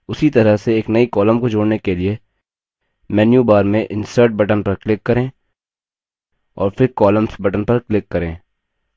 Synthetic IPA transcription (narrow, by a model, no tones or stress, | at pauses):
ʊsit̪ɐɾəseeːknɐikɔːlə̃mkod͡ʒoːɽnekelie | mɛːnjubaːɾmẽʔɪ̃nsəːɾʈ̚bɐʈənpɐɾklɪkːɐɾẽː | ɔːɾpʰɪɾkɔːləmsbɐʈənpɐɾklɪkːɐɾẽː